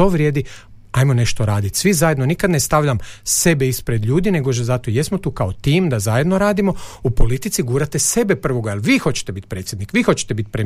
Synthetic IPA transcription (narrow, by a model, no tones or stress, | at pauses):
oʋɾje̞d̪i | ajmo̞ne̞ʃt̪oɾaːd̪it̪sʋizaje̞d̪nonikad̪nest̪aʋʎamse̞beispɾe̞d̪ʎuːd̪ine̞ɡoʃzat̪oje̞smo̞t̪uːkaot̪iːmd̪azaje̞d̪no̞ɾaːd̪imo̞upo̞lit̪it̪siɡuːɾat̪ese̞bepr̩ʋo̞ɡaelˠʋiːxo̞t͡ɕe̥t̪e̞bit̪pɾet̪sjed̪nikʋixo̞t͡ɕet̪e̞bit̪pɾe